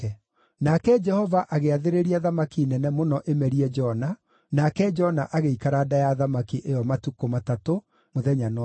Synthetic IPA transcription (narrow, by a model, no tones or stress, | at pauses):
ɛ | nakɛd͡ʒɛhɔvaʔaɣeaðeɾeɾiaðamakinɛnɛmonɔʔemɛɾiɛd͡ʒɔna | nakɛd͡ʒɔnaʔaɣeikaɾaːdajaðamakiʔejɔmatukomatato | moðɛɲan